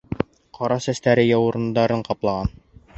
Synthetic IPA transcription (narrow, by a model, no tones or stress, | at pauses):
qʰɑɾɑsæst̪æɾɘjɑwɤ̆ɾɤ̆nd̪ɑɾɤɴqɑplˠɑʁɑn